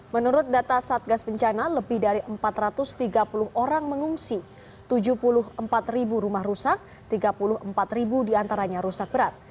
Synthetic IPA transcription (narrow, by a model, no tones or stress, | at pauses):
mənuɾʊt̪̚dat̪asaat̪̚ɡasbəɲt͡ʃanaləbɪhdaɾiʔəmpat̪ɾat̪ʊst̪iɡapulʊɦʔoɾaŋməŋuŋsi | t̪ud͡ʒuhpulʊɦəmpat̪ribuɾumahrusak̚ | t̪iɡapulʊhəmpat̪ribudiant̪aɾaɲaɾusak̚bəɾat̪̚